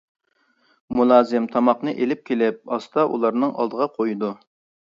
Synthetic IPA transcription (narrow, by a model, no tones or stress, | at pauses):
mulˠɑːzɪmt̪ʰɑmɑqnɨʔelɪp̚kʲʰelɪp̚ɑst̪ɑʔṵlˠɑɾnɨŋʔɑ̰lˠd̪əʁɑqʰojud̪u